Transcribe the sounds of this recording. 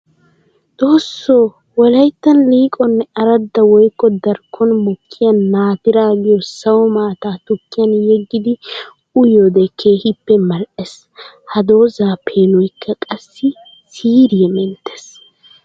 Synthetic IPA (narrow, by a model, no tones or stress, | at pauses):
d̪̥oːsːoː | wɔlɐjt̪ːɐnliːkʼɔnːɛɐɾɐd̪ːɐwɔjkːɔd̪ɐɾkʰːɔnmɔkʰːɪjɐnːaːt̪ɪɾaːɡɪjɔsɐwɔmaːt̪aːt̪ʊkːɪjɐnjɛɡːɪd̪ɪ | ʊjod̪ɛkʰeːhɪpːɛmɐlʔɛs | hɐd̪o̞ːzaːpʰeːnʊjkʰːɐkʼɐsːɪ | siːɾɪjɛmɛnt̪ʰːes